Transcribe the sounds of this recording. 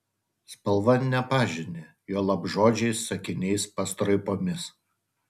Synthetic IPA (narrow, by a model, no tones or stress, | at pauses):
spɐlˠʋɐnʲɛpɑːʒʲɪnʲe | joːlˠɐbʒoːd͡ʒʲɛɪsːɐkʲɪnʲɛɪspɐst̪ɾɐɪpoːmʲɪs